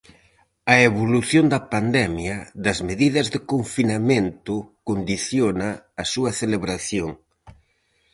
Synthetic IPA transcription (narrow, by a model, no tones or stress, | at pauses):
ɐeβoluθjond̪ɐpand̪ɛmjɐðɐzmeðiðɐzðekoɱfinamẽnt̪ʊkond̪iθjonɐːsuɐθeleβɾaθjoŋ